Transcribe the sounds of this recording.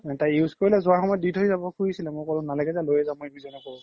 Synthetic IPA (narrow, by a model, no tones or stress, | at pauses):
ɛtaiuskoɹilɛzʊwaɹxɔmɔjɔditoizabɔkʰuɹisilɛmokɔɹʊ̃nalaɡɛzɛlojɛzamʊemizɔnɔkɔɹɔ̃